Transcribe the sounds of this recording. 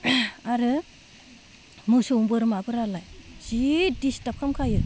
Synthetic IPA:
aɾɯ | musuuŋbɯɾɯmabɯɾalajz̥idistap̚kʰamkʰajɯ

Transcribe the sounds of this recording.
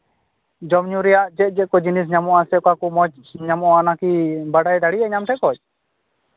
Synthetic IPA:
d͡ʒɔmɲuɾɛjaʔd͡ʒɛt̪̚ˀd͡ʒɛt̪̚kɔd͡ʒinis̬ɲamɔʔasɛkɔakumɔt͡ʃ | ɲamɔanakibaɖajd̪aɽijaɲamt̪ʈʰɛkɔt͡ʃ̚

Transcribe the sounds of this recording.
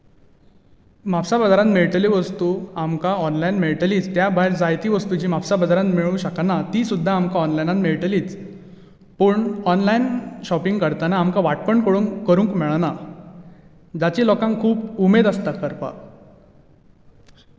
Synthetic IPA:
mapsabəd͡zaɾãnmeɭʈliʋəst̪uamkaɔnlajnmeɭʈəliːt͡st̪jabʱaeɾd͡zajt̪iːʋəst̪ud͡ʑiːmapsabəd͡zaɾãnt̪miɭũːɕəknat̪iːsud̪ʱːaːmkaɔnlajnanmeɭʈəliːt͡s | pəːɳɔnlainɕɔpiŋɡkəɾt̪anaːmkaʋaʈ̚pəɳkəɽuŋkːəɾũŋkmeɭna | d͡zat͡ɕiːlɔkãŋkkʰːuːpumed̪ast̪akəɾpa̰

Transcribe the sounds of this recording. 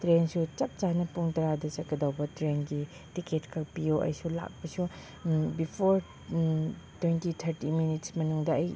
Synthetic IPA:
tɾensut͡ʃɐp̚t͡ʃanɐpuŋtɐɾadɐt͡ʃɐt̚kɐdɐwbɐtɾenɡi | tiketkʰɐkpijoʔɐ̰jsula̰k̚pɐsu | bipʰoɾ | twentitʰɐɾtiminitsmɐnuŋdɐɐj

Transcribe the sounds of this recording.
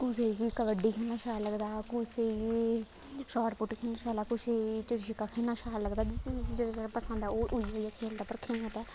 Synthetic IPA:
kʊsekikəʋəɖiːkʰeːnaːʃaːləɡd̪aːkʊse | ʃɔːʈpʊʈikʰeːnaːʃaːlaːkʊt͡ʃet͡ʃɪɽʃikaːkʰeːnaːʃaːləɡd̪aːd͡ʒeːɽad͡ʒeɽapəsə̃nd̪ɛoːʔʊiːʋoːijaːkʰeːld̪aːpəɾkʰeːnət̪aː

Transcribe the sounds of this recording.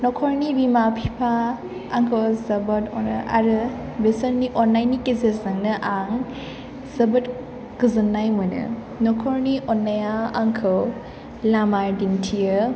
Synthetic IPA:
nɔkʰɔɾnibimapʰipʰaː | ŋkʰɐwzɐbɐtɔnɯ̰ʔa̰ɾɯ | besɐɾniʔɔnːajnikezezaŋnɯʔaŋ | z̥ɐbɐt | kɯzɯnːajmɯnɯ̰ | nɔkʰɔɾniʔɔnːajaaŋkʰɯw | lamaɾdintʰijɯ

